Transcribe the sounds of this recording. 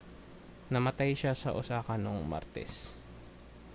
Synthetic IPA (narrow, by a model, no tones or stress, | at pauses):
nɐmɐt̪ajʃasɐ̰ʔʊsaːkɐnoŋma̰ɾt̪ɛ̰s